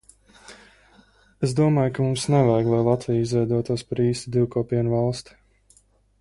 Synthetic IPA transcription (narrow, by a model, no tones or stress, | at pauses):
es̬d̪uɔmaːjkamumsnɛvajɡlˠajlˠat̪vijizvɛjd̪uɔt̪uɔspaɾiːst̪id̪iwkɔːpiɛnvalˠst̪i̥